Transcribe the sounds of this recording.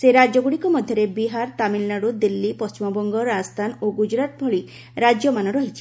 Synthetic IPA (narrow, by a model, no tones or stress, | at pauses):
seɾad͡ʒɔɡuɽikɔmɔd̪ʱjɔɾebiɦaɾt̪amilnaɽud̪ilːipɔst͡ʃimɔbɔŋɡɔɾast̪ʰanoɡud͡ʒɾat̪̚bʱɔɭi | ɾad͡ʒjɔmanɔɾɔɦit͡ʃʰi̥